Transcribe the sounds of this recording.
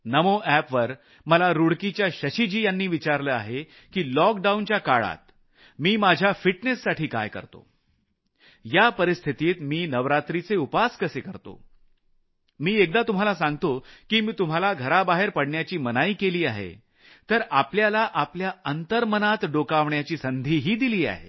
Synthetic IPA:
nəmoʔæpʋəɾ | məlaɾuɽkit͡ɕjaɕəɕid͡ʑiːjanːiːʋit͡ɕaɾləa̰ɦe | kiːlɔkɖaunt͡ɕjakaɭa̰t̪̚ | miːmad͡ʑʱjafiʈnesːaʈʰiːka̰jkə̰ɾt̪o̰ | japəɾist̪ʰit̪iːt̪miːnəʋɾat̪ɾit͡seupaskəsekəɾt̪o̰ | miːek̚d̪at̪um̤alasãŋɡ̚t̪okiːmiːt̪um̤alaɡʱəɾabaɦeɾpəɽɳjat͡ɕiːmənaiːkeliːaɦḛ | t̪əɾapljalaʔapljaənt̪əɾmənat̪ɖokaʋɳjat͡ɕiːsənd̪ʱiːɦiːd̪iliːa̰ɦḛ

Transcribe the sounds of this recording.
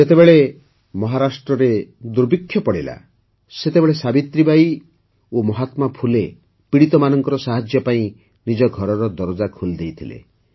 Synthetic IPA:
et̪ebeɭe | mɔɦaɾasʈɾɔɾed̪uɾbikʰːjɔpɔɽila̰ | set̪ebeɭesabit̪ɾibaj | omɔɦat̪mapʰule | piɽit̪ɔmanɔŋkɔɾɔsaɦad͡ʒjɔpaĩ | nid͡ʒɔɡʱɔɾɔɾɔd̪ɔɾɔd͡ʒakʰuld̪ejt̪ʰilḛ

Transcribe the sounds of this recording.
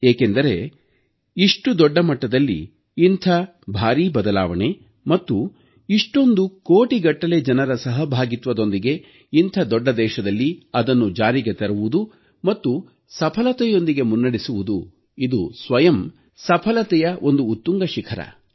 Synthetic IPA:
eːkend̪ɐɾe̞ | iʂʈud̪ɔɖːɐmɐʈːɐd̪ɐlːḭː | nt̪ʰɐ | bʱaːɾiːbɐd̪ɐlaːʋɐɳe̞ | mɐt̪ːu | iʂʈo̞nd̪ukoːʈiɡɐʈːɐled͡ʒɐnɐɾɐsɐɦɐbʱaːɡit̪ʋɐd̪o̞nd̪iɡe̞ | int̪ʰɐd̪ɔɖːɐd̪ɛːʃɐd̪ɐlːiɐd̪ɐnːud͡ʒaːɾiɡe̞t̪ɐɾɐʋud̪u | mɐt̪ːu | sɐpʰɐlɐt̪ɛjo̞nd̪iɡe̞munːɐɽisuʋud̪u | id̪usʋɐjɐm | sɐpʰɐlɐt̪ɛjɐʔo̞nd̪uːt̪ːuŋɡɐʃikʰɐɾɐ̰

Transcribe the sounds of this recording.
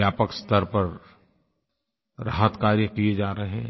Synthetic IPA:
jaːpəkst̪əɾpɐɾ | ɾaɦət̪kaːɾjəkied͡ʒaːɾɐɦeɦɛ̰̃

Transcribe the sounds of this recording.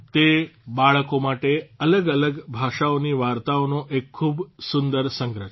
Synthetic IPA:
t̪ebaɭkomaʈeələɡələɡbʱaʂaʋniːʋaɾt̪aʋnoʔekʰːuːbsund̪əɾsəŋɡɾə

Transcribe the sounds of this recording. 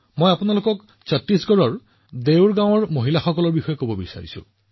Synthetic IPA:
mojapʊnalokɔk | satːisɡɔɹɔɹ | dewɹɡãw̃ɔɹmoɦilaxɔkɔlɔɹbixɔjɔkobɔbisa̰ɹisʊ̰̃

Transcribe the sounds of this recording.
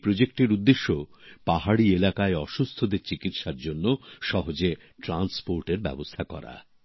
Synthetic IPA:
pɾod͡ʑek̚ʈeɾud̪ːeʃːopaɦaɽielakaeɔʃust̪ʰod̪eɾt͡ɕikit̪ʃaɾd͡ʑonːoʃɔɦod͡ʑe | ʈɾanspoɾʈeɾbɛ̰bost̪ʰakɔ̰ɾa̰

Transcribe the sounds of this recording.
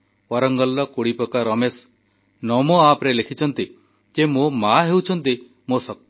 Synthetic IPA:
wɔɾɔŋɡɔlːɔkoɽipɔkaɾɔmes | nɔmoapɾelekʰit͡ʃʰɔnt̪i | d͡ʒemomaɦewt͡ʃʰɔnt̪i | mosɔk̪̚

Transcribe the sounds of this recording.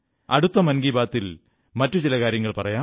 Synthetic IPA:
ɐ̰ɽut̪ːɐmɐnɡiːbaːt̪ːil | mɐtːut͡ɕilɐkaːɾjɐŋːɐɭpɐrɐjaː

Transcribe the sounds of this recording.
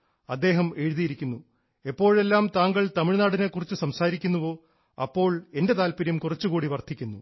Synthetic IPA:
ɐd̪ːe̞ːɦɐme̞ɻuðijiɾikʲːunːu | epːo̞ːɻe̞lːaːmt̪aːŋɡɐɭt̪ɐmiɻnaːɽine̞kːurit͡ɕːɨsɐmsaːɾikʲːunːuʋo̞ː | ɐpːo̞ːɭe̞nde̞t̪aːlpiɾjɐmkurɐt͡ɕːukuːɽiʋɐrt̪ʰːikʲːunːu

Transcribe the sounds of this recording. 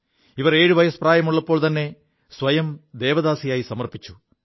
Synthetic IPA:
iʋɐre̞ːɻuʋɐjɐspraːjɐmuɭːɐpːo̞ːɭt̪ɐnːe̞ | sʋɐjɐmd̪e̞ːʋɐðaːsijaːjisɐmɐrpit͡ɕːu̥

